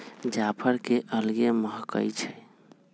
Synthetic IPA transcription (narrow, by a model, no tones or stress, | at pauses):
d͡ʒapʰəɾkeʔəlɡeməɦkə̰jt͡ʃʰɛ